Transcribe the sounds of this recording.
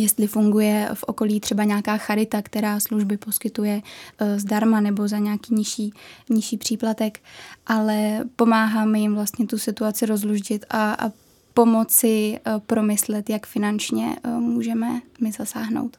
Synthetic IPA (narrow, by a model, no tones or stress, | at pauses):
jɛst̪lɪfuŋɡujɛfʔo̞̰ko̞liːt̪r̥ɛbaɲaːkaːxaɾɪt̪akt̪ɛɾaːsluʒbɪpo̞skɪt̪ujɛzdaɾmanɛbo̞zaɲaːkiːɲɪʃiːɲɪʃiːpr̝̥iːplat̪ɛkʔalɛpo̞maːɦaːmjɪmvlast̪ɲɛt̪usɪt̪uat͡sɪɾo̞zluʒɟɪt̪ʔa̰ | po̞mo̞t͡sɪpɾo̞mɪslɛt̪jakfɪnant͡ʃɲɛ̰muːʒɛmɛmɪzasaːɦno̞̰wt̪